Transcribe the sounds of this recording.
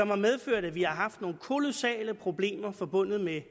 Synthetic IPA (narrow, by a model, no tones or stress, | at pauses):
ɒ̽mhɑ̈með̞ˠføɐ̰ɾ̥æʋihɑ̈ɦɑ̈fd̥no̝ːn̩kʰo̝lo̝sɛ̰ːləpʰʁo̝b̥le̝̰ːmɐfɒ̽b̥ɔ̽n̰ð̞̩ˠme